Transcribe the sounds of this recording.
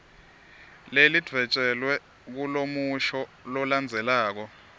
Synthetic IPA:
lelid̥ʱwɛt͡ʃʼɛlwɛ | k̬ulomuʃɔlɔland͡zʱɛlaːk̬ɔ

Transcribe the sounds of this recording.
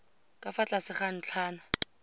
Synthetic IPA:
kʼafat͡ɬʼasɪχan̩t͡ɬʰaːnʊ

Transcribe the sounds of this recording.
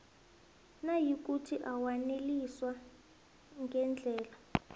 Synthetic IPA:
najik̬utʰiʔawaneliswa | ŋɡʱɛnd͡ɮʱɛːla

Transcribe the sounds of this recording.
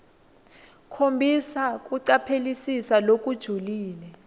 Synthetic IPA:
kʰombʱisak̬ʼuǀapʰelisisalok̬ʼud̥ʒ̥ʱuliːlɛ

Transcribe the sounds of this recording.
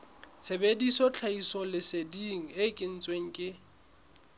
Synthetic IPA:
t͡sʰebedisɔt͡ɬʰaisɔlɪsediŋ̩ɪkʼɪn̩t͡sʼweŋ̩kʼɪ

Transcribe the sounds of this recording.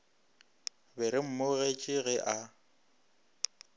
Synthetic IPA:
bɪɾɪm̩moɣet͡ʃʼɪɣɛʔa

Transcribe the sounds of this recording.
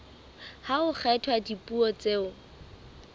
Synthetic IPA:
haʊχʰɛtʰwadipʼuɔt͡seːʊ

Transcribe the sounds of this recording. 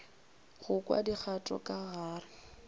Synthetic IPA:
ɣʊkʼwa̰dik͡xʰatʼɔ̰kʼaɣaːrɪ

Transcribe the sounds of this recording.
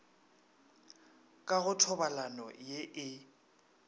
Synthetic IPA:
kʼaɣʊtʰɔbalanɔ̰jeʔɪ

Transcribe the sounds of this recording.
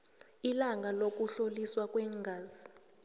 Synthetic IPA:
ilaŋalok̬ʼuɬoliswak̬ʼwɛŋɡʱaːzi

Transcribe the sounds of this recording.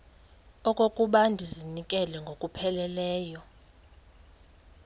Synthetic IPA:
ɔkʼokʼuɓandʱizinikʼɛlɛŋɡʱokʼupʰɛlɛlɛːjɔ

